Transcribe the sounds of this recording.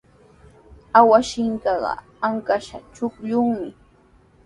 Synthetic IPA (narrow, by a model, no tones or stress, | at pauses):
awaʃɪŋkɑɢɑ̰ | aŋkaʃa̰t͡ʃʊkʎʊŋmɪ